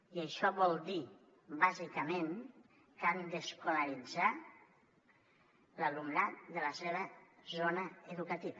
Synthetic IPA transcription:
iəʃɔβɔlˠd̪i | bazikəmen | kand̪əskuləɾid͡za | ləlumnat̪̚d̪ələseβəzonəəðukət̪iβə

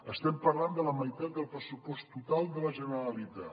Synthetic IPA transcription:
əst̪ɛmpərland̪ələməjt̪at̪̚d̪əlˠpɾəsupɔst̪ut̪alˠd̪ələʒənəɾəlit̪a

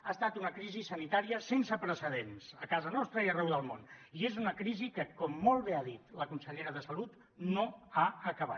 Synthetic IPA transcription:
aːst̪at̪unəkɾizisənit̪aɾiəsensəpɾəsəðenzəkazənɔst̪ɾəiərɛwðəlˠmoniezunəkɾizikəkɔmːolˠβeaðit̪ləkunsəʎeɾəðəsəlut̪ | noaəkəβ̞a̰t̪

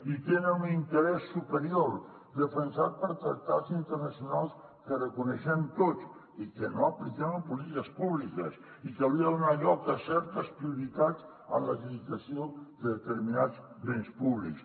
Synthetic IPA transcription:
it̪enənunint̪əɾɛsːupəɾioɾ | d̪əfənsat̪̚pəɾt̪ɾək̚t̪azint̪əɾnəsjunalˠs | kərəkunəʃɛmt̪ot͡s | ikənoəplikɛβəmpulit̪ikəspuβlikəs | ikawɾiəðunaʎɔkəsɛɾt̪əspɾiuɾit̪az | ə̰nləʎiβit̪əsiod̪əðət̪əɾminaz | βenspuβlḭks

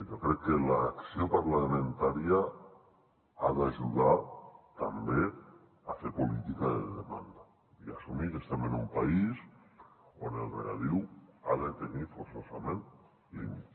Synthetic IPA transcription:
ʒokɾekːelaːksjopaɾlamẽnt̪aɾja | aðaʒuðat̪ambe | afeɾpolit̪ikaðeðema̰nd̪a | iasumiɾest̪emenumpais | onḛlrḛa̰ðiwaðet̪enifoɾsosamẽnt̪ | ḛn

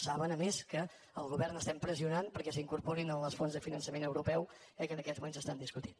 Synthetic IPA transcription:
saβənəmeskə | əlˠɣuβɛrnəst̪ɛmpɾəziunanpəɾkɛsiŋkuɾpɔɾinələsfonzðəfinənsəmenəwɾupɛw | ɛkənəkɛzmumenzəst̪and̪iskut̪i̥n

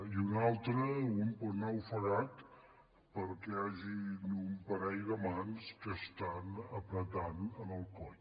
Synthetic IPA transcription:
iunalˠt̪ɾəunpuɾnɛwfəɣat̪ | pəɾkeaʒinumpəɾɛjɣəmanskəst̪anəpɾət̪anənəlˠkɔ

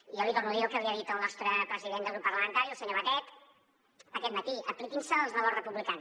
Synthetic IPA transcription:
iɔlit̪oɾrnuðiəlˠkəβiəðit̪əlˠnɔst̪ɾəpɾəziðend̪əlˠɣɾupːəɾləmə̃nt̪aɾiəlˠsəɲoβət̪ɛt̪ | əkɛt̪mət̪iəplikinsəːlˠznɔβəwsrəpuβlikans

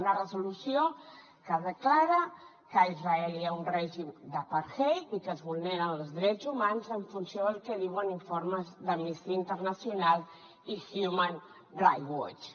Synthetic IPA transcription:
narəzulusio | kəðəklaɾa | kəizraɛliaunrɛʒimd̪əpaɾxejikəzβulneɾanzðɾɛzumanzəɱfunsjoðəlkeðiwəniɱfoɾməzðəmmist̪iəint̪əɾnasjunalˠ | ixjuman | dɾajɣo̰t͡ʃ

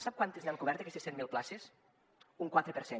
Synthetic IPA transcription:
sap̚kwant̪ezniaŋkuβɛɾt̪ekɛst̪esːɛt̪milˠplases | uŋkwat̪ɾepeɾse

